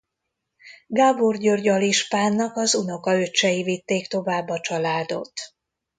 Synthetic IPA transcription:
ɡaːborɟørɟɒliʃpaːnːɒkɒzuno̞kɒøt͡ʃːɛjivit̪ːeːkt̪o̞vaːbːɒt͡ʃɒlaːd̪o̞̰t̪

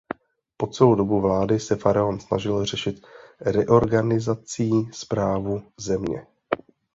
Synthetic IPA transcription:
po̞t͡sɛlowdo̞buvlaːdɪsɛfaɾaonsna̰ʒɪlr̝ɛʃɪt̪ɾɛʔo̞ɾɡanɪzat͡siːspɾaːvuzɛmɲɛ̰

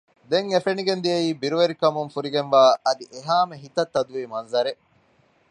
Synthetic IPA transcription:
d̪eŋefeniɡend̪ijɐiːbiɾuʋeɾikɐmuŋfuɾiɡenʋaːʔɐd̪iʔeɦaːmeɦit̪ɐt̪ːɐd̪uʋiːmɐnzɐɾe

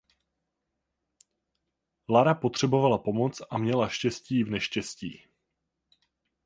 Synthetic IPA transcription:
laɾapo̞t̪r̝̥ɛbo̞valapo̞mo̞t͡sʔamɲɛlaʃcɛsciːvnɛʃcɛscḭː

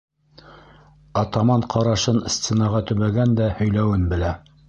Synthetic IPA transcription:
ɑt̪ɑmɑɴqʰɑɾɑʃɤnsʲt̪ʲenɑʁɑt̪ɵ̆βæɡænd̪æhɵ̆jlæwɘnbɘ̆læ

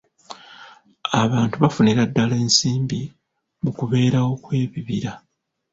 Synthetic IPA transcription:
aβaːntuβafuniɾadːale̞ːnsiːmbi | mukuβe̞ːɾawo̞kwe̞ːβiβiɾa

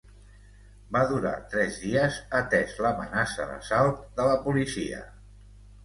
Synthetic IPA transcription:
baðuɾa̰t̪ɾɛzðiəzət̪ɛzləmə̰nasə̰ðə̰salˠt̪̚d̪ələpulisiə̰

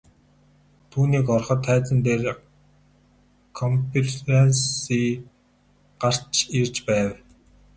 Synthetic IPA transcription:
t̪ʰuːniːkɔrχɞ̆t̪ʰːæːt͡sə̆nt̪eːr | kʰɔmpʰitensiː | ɢ̥ar̥t͡ɕirt͡ɕpæːw

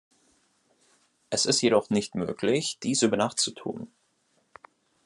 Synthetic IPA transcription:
ʔɛsɪstjeɾɔχnɪçtmø̰ːklɪçd̥iːsʔyːbɐnaːχt͡sutʰṵːn

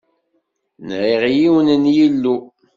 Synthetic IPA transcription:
nʕiʁjiwənənjilːu

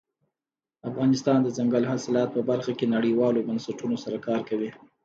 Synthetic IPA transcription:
afɣɑnɪst̪ɑnd̪əzaŋɡəlɦasɪlɑt̪̚pəbaɾxakenaɽiwɑlobansaʈunosaɾakɑɾkawi

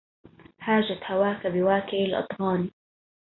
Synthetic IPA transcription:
haːʒat̪hawaːkabɪwaːkɪʔɪlʔɑ̰t̪ˤhɑːni

